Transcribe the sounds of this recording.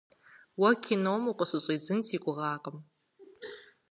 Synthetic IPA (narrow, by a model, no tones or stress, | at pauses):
wɐkʰinowmuqʼəɕʷʼɨɕʼiːd͡zɨnsʰiːkʷʼʊʁɑːqʼəm